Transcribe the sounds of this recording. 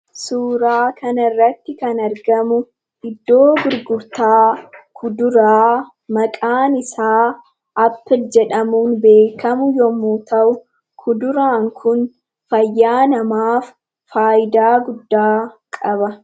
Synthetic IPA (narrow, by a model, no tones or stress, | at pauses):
suːɾaːkʰɐnɐrːɐt̪ːɪkɐnɐɾɡɐmʊ | ɪd̪ːo̞ːbʊɾɡʊɾt̪aːkʰʊd̪ʊɾaː | mɐkʼaːnɪsaː | ʔɐpːɪld͡ʒɛᶑɐmuːnbe̞ːkʰɐmʊjɔmuːt̪ɐʔʊ | kʰʊd̪ʊɾaːŋkʰʊn | fɐjːaːnɐmaːf | faːjɪd̪aːɡʊd̪ːaːkʼɐbɐ